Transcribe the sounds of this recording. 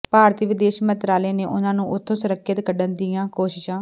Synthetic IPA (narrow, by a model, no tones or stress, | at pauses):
paːɾt̪iʋɪd̪eːʃmə̃nt̪ɾaːleːneːʔʊnãːnũːʔʊt̪ʰːõːsʊɾəkʰːjət̪kəɖənd̪ɪjãːkoːʃɪʃãː